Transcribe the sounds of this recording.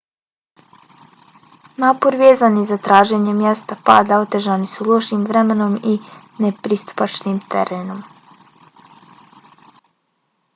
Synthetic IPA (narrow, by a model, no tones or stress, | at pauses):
naːpo̞ɾʋeːzanizat̪ɾaːʒe̞ɲemjest̪apa̰ːd̪ao̞t̪e̞ʒanisuloʃimʋɾemeno̞mi | nepɾist̪u̥pat͡ʃnimt̪ʰḛɾeno̞m